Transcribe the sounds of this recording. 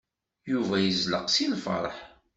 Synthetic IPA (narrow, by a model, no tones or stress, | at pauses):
juvæjəzləqsinfɑ̰ɾˤəħ